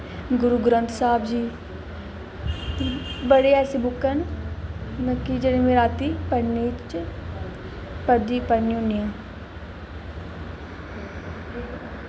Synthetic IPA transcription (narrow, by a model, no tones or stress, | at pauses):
ɡʊɾuɡɾə̃nt̪ʰsaːbd͡ʒiː | bəɽeɛːsebʊkːən | nəkid͡ʒɐnimeɾaːt̪ipɐnːiːt͡ʃ | pəɾd̪iːpənjũnijã